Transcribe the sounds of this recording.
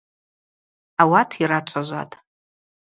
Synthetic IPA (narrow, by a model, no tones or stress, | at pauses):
awatʰirat͡ʃʷʰaʒʷa̰tʼ